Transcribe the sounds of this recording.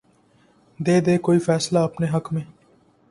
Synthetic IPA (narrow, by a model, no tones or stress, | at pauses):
d̪eːd̪eːkoːifɛːslaːɐpneːɦəkmẽː